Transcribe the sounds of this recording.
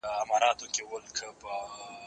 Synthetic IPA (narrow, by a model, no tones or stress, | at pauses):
ɐmɑːɾɑːt̪okewəlkʰəpə